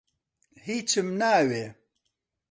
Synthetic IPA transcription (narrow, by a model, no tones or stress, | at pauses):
hit͡ʃimnaːwe